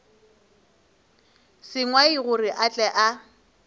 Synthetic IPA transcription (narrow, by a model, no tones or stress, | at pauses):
sɪŋwaiɣʊriʔat͡ɬʼɛʔa